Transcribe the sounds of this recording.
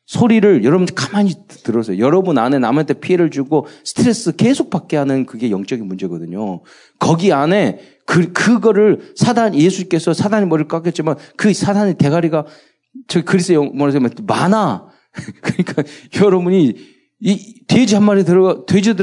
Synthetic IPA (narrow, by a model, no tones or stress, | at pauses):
sʰoɾiɾɯɭjʌɾʌbund͡ʑkamaɲitɯɾʌsʰʌjo̰jʌɾʌbunane̞namʌntʰepʰie̞ɾɯɭt͡ɕuɡosʰɯ̥tʰɯɾe̞s͈ɯke̞sʰok̚pak͈̚eɦanɯnkɯɡe̞jʌŋt͡ɕ͈ʌɡinmund͡ʑe̞ɡʌdɯɲo | kʌɡiane̞ | kɯkɯɡʌɾɯɭsʰadanje̞sʰuɲk͈e̞sʰʌsʰadaɲimʌɾiɭk͈ak͈jʌt̚t͡ɕ͈imankɯsʰadaɲite̞ɡaɾiɡa | t͡ɕʌɡkɯɾisʰtjʌmʌɾas̬ʰemenmana | kɯɲik͈aajʌɾʌbuɲi | twed͡ʑiɦanmaɾitɯɾʌtwed͡ʑidɯ